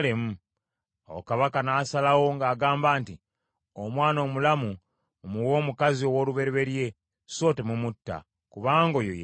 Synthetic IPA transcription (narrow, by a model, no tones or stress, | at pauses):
lemu | owokaβakanaːsalawo̞ŋɡaːɡaːmbaːnti | omwaːno̞ːmulamu | muwo̞ːmukazio̞wo̞ːluβe̞ɾeβe̞ɾje̞ | so̞ːtemumutːa̰ | kuβaːŋɡo̞joje